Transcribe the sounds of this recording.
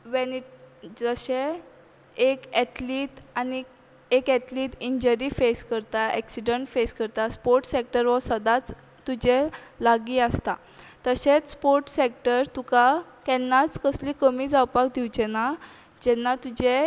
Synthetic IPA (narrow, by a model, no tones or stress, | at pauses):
ʋɛnid͡zəɕe | ekɛʈ̪liːʈ̪ani | ekɛt̪liːt̪iɲd͡ʑəɾiːfeskəɾt̪aɛ̰ksiɖəɳʈfeskəɾt̪aspoɾʈsek̚ʈəɾʋəsəd̪at͡s | t̪ːud͡ʑelaɡiːəst̪at̪əɕet͡sspoɾʈsek̚ʈəɾt̪ukakɛnːat͡skəsliːkəmiːd͡zawpak̚d̪iwd͡ʑena | d͡ʑɛnːat̪ud͡ʑe